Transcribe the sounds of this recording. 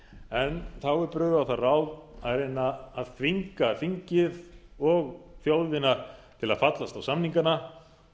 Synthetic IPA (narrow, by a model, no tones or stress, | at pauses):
ɛnθawɛɾpɾʏːɣvʏawθarawaðɾejnːaːðθviŋkafiɲcɪðɔɣθjoːwðɪnaɾ̥t̪ʰɪla̰ðfat̪last̪awsamniŋkana